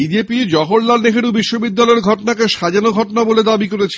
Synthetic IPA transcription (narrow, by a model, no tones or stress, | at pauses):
bid͡ʑepid͡ʑɔɦoɽlalneɦeɽubiʃːobid̪ːalɔeɾɡʱɔʈonakeʃad͡ʑanoɡʱɔʈonaboled̪abikoɾet͡ɕʰi